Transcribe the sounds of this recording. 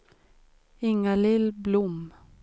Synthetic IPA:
ɪŋːalɪlːblʊm

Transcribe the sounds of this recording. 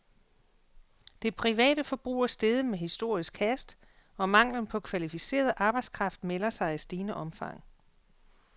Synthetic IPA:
d̥e̝pʰʁiʋɛ̰ːd̥əfɒ̽b̥ʁṵːɐsd̥eð̞ˠəmeɦisd̥o̝ɐ̰isɡ̥kʰæsd̥ | ɒ̽mɑ̈ŋ̰lən̩pʰɒ̽kʰʋælifise̝̰ːɐð̞̩ˠʔɑ̈ːb̥ɑ̈ɪ̥skʰʁɑ̈fd̥melɐsɑ̈ɪæsd̥iːnəʔɒ̽mfɑ̈ŋ̰

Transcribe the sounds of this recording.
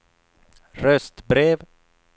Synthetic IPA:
ɾœst̪bɾeːv

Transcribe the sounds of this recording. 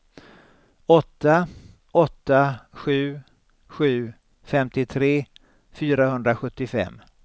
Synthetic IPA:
ɔt̪ːa | ɔt̪ːaɧʉ̟ː | ɧʉ̟ː | fɛmt̪ɪt̪ʰɾeː | fyːɾahɵnd̪ɾaɧɵt̪ːɪfɛ̰mː

